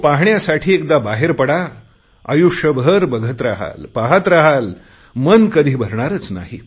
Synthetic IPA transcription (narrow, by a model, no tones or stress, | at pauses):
paɦɳjasaʈʰiːek̚d̪abaɦeɾpəɽa | ə̰juʂəbʱəɾbəɡʱət̪ɾaɦa̰lpaɦat̪ɾaɦal | mənkəd̪ʱiːbʱəɾɳaɾət͡sna̰ɦi